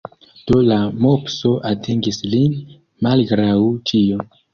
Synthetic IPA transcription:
d̥o̞lamo̞pso̞ʔatʰeŋɡislin | malɡɾawt͡ʃion

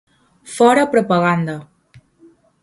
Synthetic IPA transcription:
fɔɾəpɾopəɣand̪ə

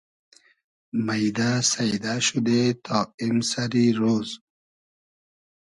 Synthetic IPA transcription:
majd̪asajd̪aʃud̪et̪ʰɔːimsaɾiɾoːz

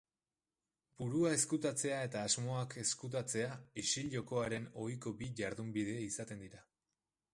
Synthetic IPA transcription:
buɾuae̞skut̪at͡se̞ae̞t̪aːzmo̞ake̞skut̪̬at͡se̞aiʃiʎʎo̞ko̞aɾe̞no̞jko̞biʝaɾðumbið̞e̞isat̪e̞nd̪iɾa

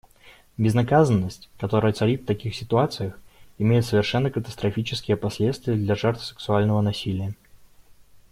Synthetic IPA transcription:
bʲɪznɐkazənːəsʲtʲkɐt̪oɾəjət̪sɐɾʲit̪ft̪ɐkʲixsʲɪt̪ʊat̪sɨjəxɪmʲejɪt̪səvʲɪrʂɛnːəkət̪əst̪ɾɐfʲit͡ɕɪ̥skʲɪjəpɐsʲlʲet̪st̪vʲɪjəd̪lʲɐʐɛrt̪fsɨ̥ksʊalʲnəvənɐsʲilʲɪjə

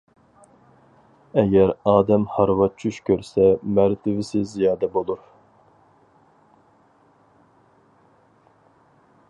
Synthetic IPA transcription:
ɛɡʲɛɾɑːd̪ɛmhɑɾvɑt͡ʃʰuʃkʲʰøɾsɛmæɾt̪ʰɪvɪsɪzijɑːd̪ɛbolˠuɾ

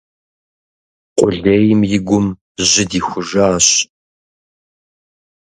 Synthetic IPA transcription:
qʷʼʊɮejmjɪɡʷʊm | ʑɪdiːxʷʊʒaːɕ

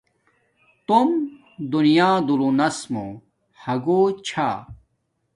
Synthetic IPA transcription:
t̪om | d̪unijaːd̪ulunɐsmo̰ | hɐɡot͡ɕʰa̰ː

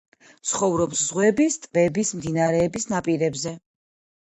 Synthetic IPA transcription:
t̪sχɔvɾɔpszʁwɛbist̪ʼvɛbismd̪inaɾɛːbisnapʼiɾɛbzɛ

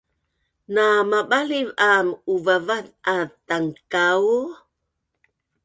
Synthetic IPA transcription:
namaɓalivamuvavat̪̚at̪aŋkau

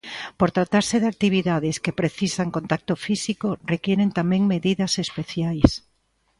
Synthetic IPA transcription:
poɾt̪ɾat̪aɾsɪðak̚t̪iβ̞iðaðɪskepɾeθisaŋkõnt̪ak̚t̪ofisikorekjɛɾent̪amɛ̃ŋmeðiðɐsespeθjajs

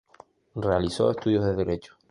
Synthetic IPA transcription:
realiso̰est̪uðjozðeðe̞ɾe̞t͡ʃo̥

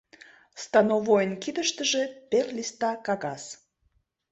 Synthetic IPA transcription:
st̪ɑnovojənkid̪əʃt̪əʒeperlʲist̪ɑkɑɣɑs

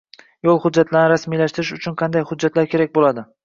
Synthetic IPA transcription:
jolˠhʊd̪d͡ʒːat̪laɾnɪɾasmijlaʃt̪ɪɾɪʃʊt͡ʃʰʊnqʰɑnd̪ajhʊd͡ʒːat̪laɾkʲʰe̞ɾak̚ʲbolad̪ɪ

